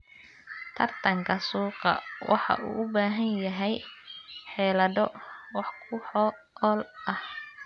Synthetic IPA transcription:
t̪ʰɐrt̪ʰɐŋkʰɐsuːqɑ̰wɑ̰ħɑ̰ʔuːʔʊbaːɦɐnjɐɦɛj | ħɛːlɐdɔwɑħkʰʊħɔ | ɔlɐh

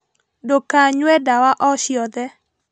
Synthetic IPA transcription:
dokaɲwɛdawaʔɔʃjɔd̪ɛ

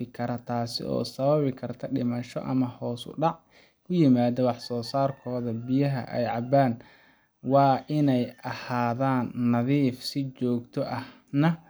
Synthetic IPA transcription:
ɪkʰɐɾɐt̪ʰaːsɪ̰ʔɔ̰ːsɐβɐβɪkʰɐrt̪ʰɐɖɪmɐʃɔ̰ʔɐmɐhɔːsʊ̰ɖɑʕ | kʰʊjɪmaːðɔwɑħsɔːsaːrkʰɔːðɐbɪjɐɦɐ̰ʔɛ̰jʕɑbaːn | wɑːʔɪnɛjʔɐhaːðaːnːɐðiːfsɪt͡ʃɔːɡt̪ʰɔʔɐh | nɐ

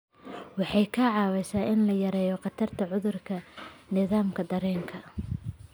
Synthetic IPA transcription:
wɑħɑjkʰɐʕɑːwɛjsaːʔɪnlɐjɐɾɛːjɔqɑt̪ʰɐrt̪ʰɐʕʊðʊrkʰɐnɪðaːmkʰɐd̪ɐɾɛːŋkʰɐ

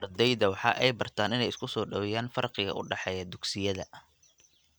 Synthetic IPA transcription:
ɐrd̪ɛjðɐwɑħɑ̰ːʔɛjbɐrt̪ʰaːnɪnɛjɪskʰʊsɔːɖɐwjaːnfɐrqɪɣɐ̰ʔʊɖɑħɛːjɐd̪ʊɡsɪjɐðɐ̰

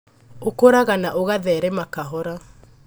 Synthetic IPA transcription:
okoɾaɣanaʔoɣaðɛːɾɛmakaɦɔɾa

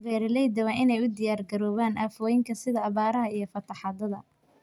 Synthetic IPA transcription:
bɛːɾɪlɛjd̪ɐwɐnɪnɛjʊd̪ɪjaːrɡɐɾɔːβaːnʔaːfɔːjɪŋkʰɐsɪðɐːβaːɾɐɦɐijɞfɐt̪ʰɐħɑːðɐðɐ̰

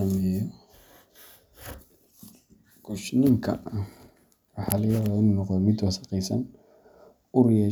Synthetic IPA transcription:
ɐmjɔ | ɡ̥ʊʃnɪŋkʰɐ̰ | wɑħɑlɪjɐðɐɪnunɔqd̪ɔmɪd̪wɑsɐ̥qɛjsɐn | ʊrɪjɛ

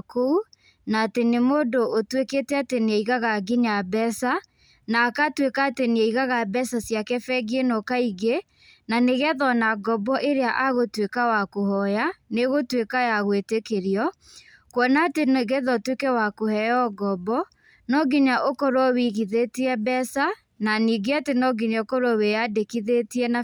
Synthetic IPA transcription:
kou | naːtenemoːdoʔotweketɛateneeiɣaɣaɡiɲabɛsa | naːkatwekaːteneeiɣaɣabɛsasjakɛfɛɡenɔkaiɣe | naneɣɛðɔnaɡɔbɔʔeɾeaʔaɣotwekawakohɔjaneɣotwekajaɣwetekeɾiɔ | kwɔnatenɣɛðɔtwekɛwakohɛjɔɡɔbɔ | nɔɡiɲaʔokɔɾwɔwiɣiðetiɛbɛsa | naniːɡeatenɔɡiɲaokɔɾɔwejadekiðetiɛna

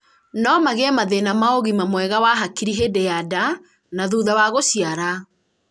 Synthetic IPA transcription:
nɔmaɣeɛmaðenamaoɣimamwɛɣawaɦakiɾiɦedejada | naðuðawaɣoɕiaɾa

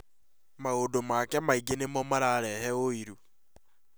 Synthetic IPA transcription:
maodomakɛmaiɡenemɔmaɾaɾɛɦɛoiɾu

